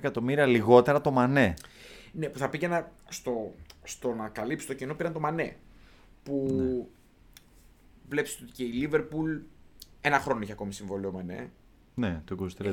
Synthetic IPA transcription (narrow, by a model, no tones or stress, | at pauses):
kɐt̪o̞miɾiɐliɣo̞t̪e̞ɾɐt̪o̞mɐnene̞puθɐpicenɐst̪o̞st̪o̞nɐkɐlipsi̥t̪ocino̞piɾɐnt̪o̞mɐne̞̰ | pu | vle̞pi̥sot̪i̥ce̞ilive̞ɾpul | e̞nɐxɾo̞no̞içɐko̞misiɱvo̞liomɐne̞̰ | net̪uɡust̪ɾe